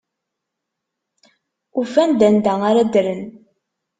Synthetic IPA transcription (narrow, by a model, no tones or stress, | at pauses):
ufænd̪ænd̪æaɾæd̪ɾən